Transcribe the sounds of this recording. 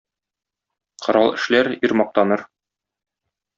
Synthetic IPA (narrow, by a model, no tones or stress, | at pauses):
qŏɾɑlˠɘ̆ʃlæɾiɾmɒq̚t̪ɑnɤɾ